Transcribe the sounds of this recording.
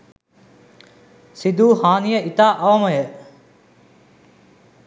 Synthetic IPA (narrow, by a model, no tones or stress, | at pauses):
sid̪uːhaːnijəʔit̪aːʔɐʋɐməjə